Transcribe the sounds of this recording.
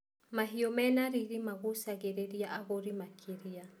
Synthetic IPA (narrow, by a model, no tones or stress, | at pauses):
maɦiɔmɛnaɾiɾimaɣusaɣeɾeɾiaʔaɣoɾimakʰiɾia